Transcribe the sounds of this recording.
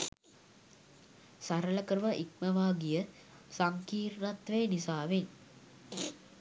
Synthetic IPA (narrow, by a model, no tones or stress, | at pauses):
saɾələkəɾuʋaʔik̚məʋaːɡijə | saŋkiːrːat̪ʋejːnisaːʋen